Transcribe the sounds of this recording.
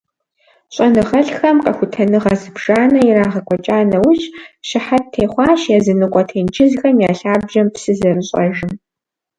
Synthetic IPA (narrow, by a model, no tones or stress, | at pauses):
ɕʼɐnɨʁɐɬxɐmqɐxʷʊtʰɐnɨʁɐzɨbʒ̥aːnɐiɾaːʁɐkʷʰʼɔt͡ʃʼaːnɐwʊʒɕɪħatʰeːχʷɑːʃjazɨnɨqʷʼɔtʰeːnd͡ʒʰɪzxɐmjaːɬaːbʒɐmpsɨzɐrɨɕʼɐ̰ʒɪm